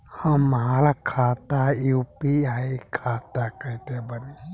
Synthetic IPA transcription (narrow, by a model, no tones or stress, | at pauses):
həmːɐɦalakʰaːt̪aupiajkʰat̪akəit̪ebəni